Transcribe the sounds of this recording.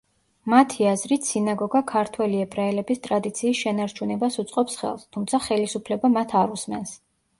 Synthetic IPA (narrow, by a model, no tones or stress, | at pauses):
mat̪ʰiazɾit̪ʰsinaɡɔɡakʰaɾt̪ʰwɛliɛpʰɾaɛlɛbist̪ʼɾad̪it̪sʰiːsʃɛnaɾt͡ʃʰunɛbasut̪sʼqʼɔpsχɛ̰lˠst̪ʰumt̪sʰaχɛlisupʰlɛbamat̪ʰaɾusmɛns